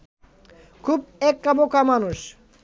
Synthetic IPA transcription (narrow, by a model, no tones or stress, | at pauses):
kʰubɛkːabokamanuʃ